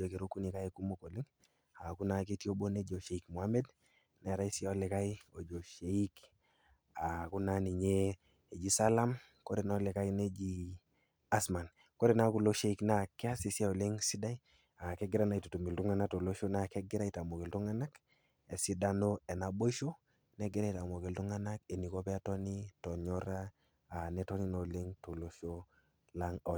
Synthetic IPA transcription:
d͡ʒo˨ke˨ɾo˦ku˦ni˨ka˦je˦ku˦mo˦ko˨li˦ŋ | a˨ku˦na˨ke˦ti˦o˦bo˦ne˦d͡ʒo˨ʃe˨i˦kmu˨a˦me˦d | ne˨ɾa˦i˦si˦o˦le˨ka˦jo˨d͡ʒo˨ʃe˨i˦k | a˨ku˦na˦ni˨ɲe˦ | e˨d͡ʒi˦sa˦la˦m | ko˦ɾe˨n˦le˨ka˦ine˦d͡ʒi˦ | a˦sma˨n | ko˦ɾe˨na˦ku˦˨lo˦ʃe˦i˦kna˦ke˦a˦si˨si˦a˦o˨le˦ŋsi˦da˦i˦ | a˨ke˦ɡi˦ɾa˦na˨i˨to˨tu˨mi˨ltu˦ŋa˦na˦to˨lo˦ʃo˦na˦ke˦ɡi˦ɾa˦i˦ta˨mo˨ke˨ltu˦ŋa˦na˦k | e˨si˦da˦no˦e˨na˨bo˦i˦ʃo˦ | ne˦ɡe˦ɾa˦i˨ta˨mo˨ke˨ltu˦ŋa˦na˦ke˨ni˨ko˦pɛ˦a˦tɔ˦ni˦tɔ˨ɲɔ˦ɾa˦ | a˨ne˦to˦ni˦no˨le˦ŋto˨lo˦ʃo˦ | la˦ŋo˨

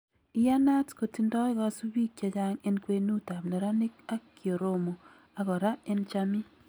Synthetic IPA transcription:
ɪ˦ja˦na˦tko˨ti˦ndɔ˦ɪ˦ɣɔ˦su˦bi˦kja˨d͡ʒa˦ŋe˦nkwe˦nu˦ta˨mne˨ɾa˦nɪ˦k̚a˦kːjo˨ɾo˦mo˨ | a˨ɣɔ˨ɾa˦e˦nt͡ʃa˦mi˦

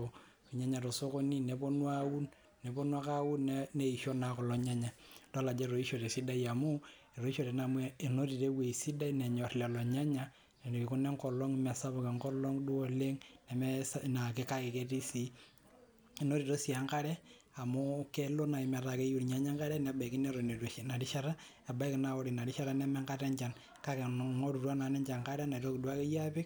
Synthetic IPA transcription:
i˨ɲa˦ɲa˨ɾo˨so˦ko˦ni˦ne˨bo˦nwa˦u˦n | ne˨bo˦nwa˦ka˦wu˦nne˦i˨ʃo˦na˨kɔ˨lɔ˨ɲa˦ɲa˨dɔ˦la˨d͡ʒe˦ɾo˨i˦ʃo˨ɾe˨si˦da˦ia˨mu˦ | e˨ɾo˨i˦ʃo˨ɾe˨na˨me˨no˦ɾi˨ɾe˦we˨i˨si˦da˦inɛ˨ɲɔ˨rlɛ˨lɔ˨ɲa˦ɲa˦ | ne˨ne˨ki˨kʊ˦nɛ˦ŋkɔ˨lɔ˦ŋ˦mɛ˨sa˦βo˨ke˨ŋkɔ˦lɔ˦ŋdu˦o˦le˦ŋnɛ˨mɛ˦sna˨kɪ˨ka˦ke˨ke˦ti˦si˦ | e˨no˦ɾi˨ɾo˦si˨a˨ŋka˦ɾɛ˦ | a˨mʊ˦kɛ˦lo˦na˨i˨mɛ˨ɾa˨ke˦ju˨ɾɲa˦ɲa˦ŋka˦ɾɛ˦nɛ˨ba˨i˨kɪ˦nɛ˦ɾo˨ne˨na˨ɾi˦ʃa˦ɾa˦ | ɛ˨ba˦i˦kɪ˨na˨˦ɔ˦ɾi˨na˨ɾi˦ʃa˦ɾa˦nɛ˦mɛ˦ŋka˦tɛ˦ɲt͡ʃa˨n | ka˦ke˨ŋo˦ɾu˨rwa˦na˨nɛ˦ɲt͡ʃa˨ŋka˦ɾɛ˦na˨ɾo˦kɪ˨dwa˦ke˦ja˦pɪ˦k̚

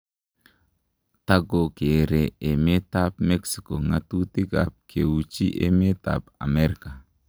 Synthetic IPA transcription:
ta˦ɡo˨ke˨ɾe˨e˨me˦ta˦pmɛ˦ksi˨ko˨ŋa˨tu˦ti˦ka̰˨p̚kʰe˨wu˨t͡ʃi˦ʔḛ˦me˦ta̰˨pa̰˨mɛ˦ɾi˨ka˨

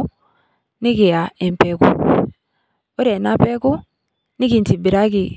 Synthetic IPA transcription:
ni˦ke˨ja˨ɛ˨m˨pɛ˨kṵ˦ | o˦ɾɛ˨na˦pɛ˦ku˦ | ni˦ki˨nti˨bi˨ɾa˦ki˨

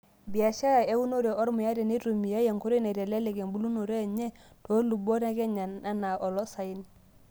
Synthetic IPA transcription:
bi˨a˨ʃa˦ɾa˨e˦wu˦no˦ɾe˨ʔɔ˦ɾmʊ˨ja˦dɛ˨ne˦ɾu˨mi˨ja˦je˨ŋku˦ɾi˦nɛ˨ɾɛ˨lɛ˦le˨ɡɛ˨mbu˦lu˦no˨ɾe˦˨ɲɛ˦ | to˨˦lu˨bo˦ɾa˦ɡɛ˦ɲa˨na˦na˨ʔɔ˨lɔ˦sa˨i˦n

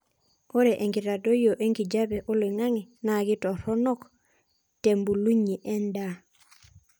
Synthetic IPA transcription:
o˦ɾɛ˨ʔe˨ŋɡi˨ɾa˨do˦jo˨ʔe˦ŋɡi˨d͡ʒa˦bɛ˨ʔo˦le˨ŋa˦ŋi˨na˦˨ɡɪ˦tɔ˨ɾɔ˦nɔ˦k | te˨mbu˨lu˦ɲi˨ʔɛ˦nda˦˨

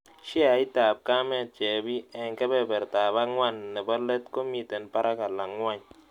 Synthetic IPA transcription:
ʃi˦a˨i˦ta˨p̚ka˦mɛ˦˨t͡ʃɛ˨bi˦ɛ˨ŋkɛ˦bɛ˦˨bɛ˨ɾta˨ba˦ŋwa˦˨nːɛ˨ba˦lɛ˦tko˦mi˦˨tɛ˨npa˦ɾa˦ka˨la˨ŋwa˦ɲ

